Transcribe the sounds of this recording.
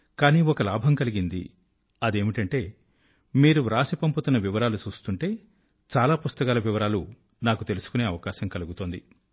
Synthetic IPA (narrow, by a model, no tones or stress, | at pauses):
kaːniːɔkɐlaːbʱɐmkɐliɡind̪ḭ | ɐd̪e̞ːmiʈɐɳʈe̞ː | miːɾuɾaːsipɐmput̪unːɐʋiʋɐɾaːlut͡ʃuːst̪uɳʈe̞ː | t͡ʃaːlaːpust̪ɐkaːlɐʋiʋɐɾaːlu | naːkut̪e̞lusu̥kune̞ːɐʋɐkaːʃɐmkɐluɡut̪oːnd̪i